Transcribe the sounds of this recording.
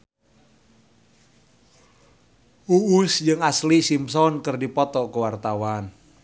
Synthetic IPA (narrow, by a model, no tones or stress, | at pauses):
uusd͡ʒɨŋaslisimsɔnkərdipɔt̪ɔkəwart̪awan